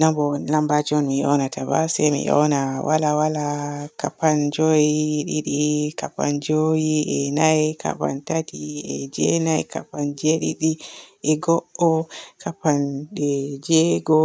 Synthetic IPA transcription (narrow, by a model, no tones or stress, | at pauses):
nambɔlambad͡ʒɔnmiɔ̰natabasɛmḭʔɔ̰nawa̰lawalakapand͡ʒojiɗiɗikapa̰nd͡ʒojiɛnajkʰa̰pa̰ntatiɛd͡ʒɛnajka̰pand͡ʒɛɗiɗiʔɛɡɔʔɔkapanɗɛd͡ʒɛɡɔ